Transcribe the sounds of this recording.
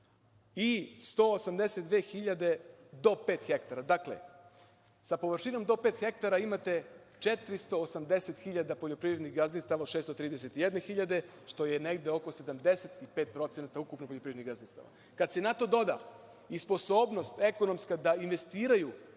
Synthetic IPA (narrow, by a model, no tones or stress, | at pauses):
ist̪oosamd̪eset̪d̪ʋeːxiʎad̪e̞d̪o̞peːt̪xe̞kt̪aɾad̪aklḛ | sapo̞ʋr̩ʃino̞md̪o̞peːt̪xe̞k̚t̪aɾaimat̪e̞ | t͡ʃet̪ɾist̪o̞ːsamd̪e̞set̪xiʎad̪apoʎopɾivɾed̪nixɡazninst̪aʋao̥ʃest̪ot̪ɾiːd̪ese̞t̪ijed̪ne̞xiʎad̪e̞ | ʃt̪o̞je̞neɡd̪eo̞ko̞se̞d̪amd̪e̞set̪ipeːt̪̚pɾo̞t̪senat̪aukupnopoʎopɾiɾeniɡazninst̪a̰ʋa̰ | kad̪se̞nat̪o̞d̪o̞d̪a̰ | ispo̞soːbno̞st̪e̞kono̞mskad̪ainʋe̞st̪iːɾaju